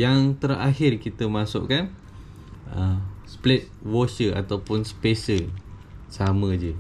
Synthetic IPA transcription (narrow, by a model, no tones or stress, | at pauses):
jaŋt̪əɾaɦɪrkit̪əmãsʊ̰ʔkan | əsplɛt̪̚wosəa̰t̪awpʊnspesə | samə̃d͡ʒə